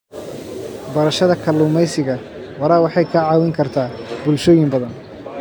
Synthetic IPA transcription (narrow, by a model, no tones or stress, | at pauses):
bɐɾɐʃɐðɐkʰɐlːuːmɛjsɪɣɐ | wɐɾaːwɑħɑjkʰɐʕɑːwɪŋkʰɐrt̪ʰaːbʊlʃɔːjɪmbɐðɐn